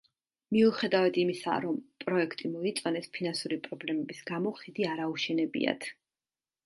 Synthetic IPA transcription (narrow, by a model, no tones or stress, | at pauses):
miuχɛd̪avad̪imisa̰ɾɔmpʼɾɔɛkʰt̪ʼimɔit̪sʼɔnɛspʰinansuɾipʼɾɔblɛmɛbisɡamɔχid̪iaɾauʃɛnɛbḭa̰t̪ʰ